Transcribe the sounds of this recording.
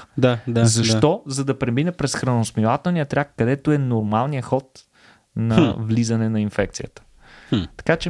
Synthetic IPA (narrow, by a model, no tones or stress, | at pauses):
d̪aazɐʃt̪ɔzɐd̪ɐpɾɛminɛpɾɛsxɾɐənʊsmilˠat̪ɛlˠnijət̪ɾʲakːɐd̪ɛt̪ʊɛnʊɾmalˠnijəxɔt̪ | nɐvlizɐnɛnɐinfɛk̚t̪sijət̪ə̥ | t̪ɐ̥kat͡ʃɛ